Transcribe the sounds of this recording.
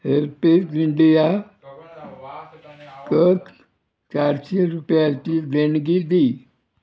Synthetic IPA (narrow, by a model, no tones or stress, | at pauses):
ɦeɾpekɪɳɖija | kək | t͡ʃaːɾt͡ʃeɾupjat͡ʃid̪enɡid̪iː